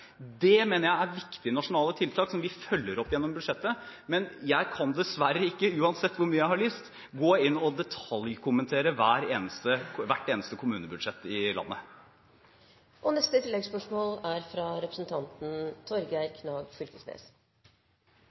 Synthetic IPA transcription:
d̪ɛmeːnəɾjæɪæɾʋɪkt̪ɪənɑʂʊnɑːlət̪ʰɪlt̪ʰɑːksɔmʋɪfœlːəɾɔpːjɛnːɔmbʉd̪ʂɛt̪ːəmɛnjæɪkʰɑnd̪ɛsʋæɾːəɪkːəʉːɑnsɛt̪ːʋʊɾmyːəjæɪhɑɭyːst̪ | ɡoːɪnːɔd̪ɛt̪ʰɑljkʰʊmənt̪ʰeːɾəʋæːɾeːnəst̪əʋæʈːeːnəst̪əkʰʊmʉːnəbʉd̪ʂɛt̪ːɪlɑ̰nːə | ʔɔnɛst̪ət̪ʰɪlːɛɡspœʂmoːlæɾfɾɑɾɛpɾəsn̩t̪ʰɑnt̪n̩t̪ʰɔɾɡæɪɾkʰnɑːɡfʏlkəsnḛs

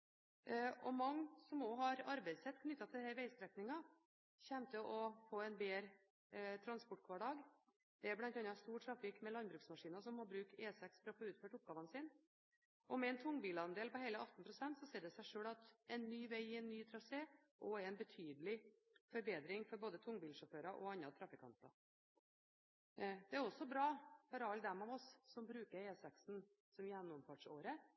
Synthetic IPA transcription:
ɔmɑŋːsɔmoːɦɑɾɑɾbɛɪsɛt̪ːkʰnʏt̪ːɑt̪ʰɪlɛhæɾʋæɪst̪ɾɛknɪŋɑ | çɛmt̪əʔɔfoːɛnbeːɾ | t̪ʰɾɑnspɔʈ̚ːkʰʋɑːɖɑːɡ | d̪̥ɛæblɑnt̪ɑnːɑst̪uːʈʰɾɑfʋɪkmɛlɑnbɾʉːksmɑʂiːnɑsɔmhɑɾbɾʉːkeːsɛksfɾɔfoːʉːt̪føːʈʊp̚ɡɑːʋɑnəsɪn | ʔɔmɛɛnt̪ʰʊŋːbiːlɑnd̪eːlpɔheɪləʔɑt̪n̩pʰɾʊsɛnt̪sɔseːɾɖ̪ɛsæɪʂøːɽɭɑt̪ɛnːyːʋæɪɪɛnːyːt̪ʰɾɑseːʔɔæɾɛnbət̪ʰyːd̪lɪ | fɔɾbeːd̪ɾɪŋfɔɾboːd̪ət̪ʰʊŋːbiːlʂɔføːɾɑʔɔɑnːɑt̪ʰɾɑfɪkʰɑ̰nt̪ɑ̰ | d̪̥ɛæɾɔsɔbɾɑːfɔɾɑld̪ɛmɑʋɔsːɔmbɾʉːkəɾeːsɛksn̩ | sɔmjænːʊmfɑʈʂoːɾə

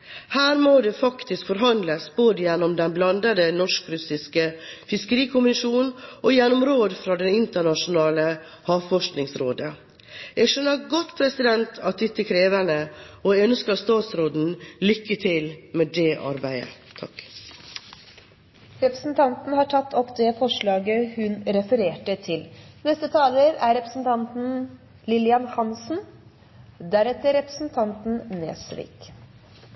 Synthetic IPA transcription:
hæːɾmoːd̪ɛfɑkt̪ɪskfɔɾɦɑnd̪ləsboːd̪əjɛnːɔmd̪ɛnblɑnd̪əd̪ənɔʂkɾʉsɪskəfɪskəɾiːkʰʊmɪʃuːnʔojɛnːɔmɾoːd̪fɾɑd̪ɛnɪnt̪əɳɑʃʊnɑːlə | hɑːʋfɔʂknɪŋsɾoːd̪ə | ɛɡʃœnːəɾɡɔt̪pʰɾɛsɪd̪ɛnt̪ʰɑt̪̚d̪ɪt̪ːəkʰɾeːʋænəɔœnskəɾst̪ɑːt̪sɾoːd̪n̩lʏkːət̪ʰɪlmɛd̪eːʔɑ̰ɾbæɪə̰ | t̪ʰɑk | ɾɛpɾəsn̩t̪ʰɑnt̪n̩hɑːʈʰɑt̪ːɔkd̪ɛfɔʂɭɑːɡəhʉnɾɛfəɾeːʈət̪ʰɪlnɛst̪ət̪ʰɑːləɾæɾɛpɾə̥sn̩t̪ʰɑnt̪n̩ | lɪlɪɑnhɑnsn̩ | d̪æɾɛt̪ːəɾɛpɾə̥sn̩t̪ʰɑnt̪n̩nḛːsʋḭːk

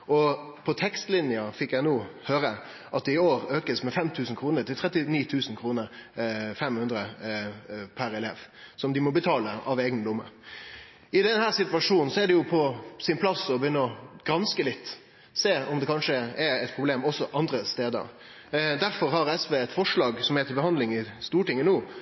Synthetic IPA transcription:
ɔ | pʰɔt̪ʰɛkst̪lɪnɪəfɪkjæɪnuːhøːɾə | ʔɑt̪̚d̪ɛɪoːɾøːkəsmɛfɛmt̪ʰʉːsn̩kʰɾuːnəɾt̪ɪlt̪ʰɾɛt̪ːɪniːt̪ʰʉːsn̩kʰɾuːnəɾfɛmhʉnd̪ɾə | pʰæɾɛleːʋsɔmd̪ɪmɔbət̪ʰɑːləɑʋeːɡənlʊmːə̰ | ɪd̪ɛnhæːʁsɪt̪ʋɑʂuːnn̩sɔæd̪ɛjʊpʰɔsɪnpʰlɑsɔbəjʏnːəɔɡ̥ɾɑnskəlɪt̪ː | seːɔmd̪ɛkʰɑnʂəɛɾɛt̪̚pʰʁʊbleːmɔsːɔʔɑnd̪ɾəst̪eːd̪ə̰ɾ | d̪æɾfɔɾɦɑɾɛsʋeːɛt̪fɔʂɭɑːɡsɔmhɛːt̪ʰɪlbəhɑnd̪lɪŋɪst̪uːʈɪŋːənuː

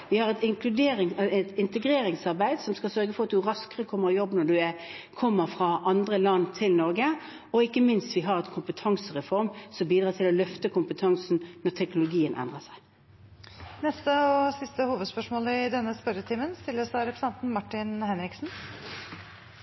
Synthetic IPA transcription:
ʋɪhɑʁɛt̪ɪŋkʰlʉd̪eːɾɪɛɛt̪ɪnt̪əɡɾeːɾɪŋsɑʁbæɪd̪sɔmskɑsœɾɡəfɔʁɑt̪d̪ʉɾɑskəʁəkʰɔmːəʁɔjɔbːnɔɖʉækʰɔmːəɾfʁɑʔɑnd̪ʁəlɑnːt̪ʰɪlnɔɾɡə | ɔɪkːəmɪnst̪ʋɪɦɑɾɛnkʰʊmpət̪ʰɑŋsəʁɛfɔɾmsɔmbiːd̪ʁɑːt̪ʰɪlɔlœft̪əkʰʊmpət̪ʰɑŋsnnɔt̪ʰɛknʊlʊɡiːənʔɛ̰nd̪ʁəsæɪ | nɛst̪əɔsɪst̪əhuːʋəd̪spœʂmoːləɪd̪ɛnːəspœɾət̪ʰiːmənst̪ɪlːəsæɪɾɛpɾəsɛnt̪n̩mɑʈːɪnhɛnɾɪksn̩

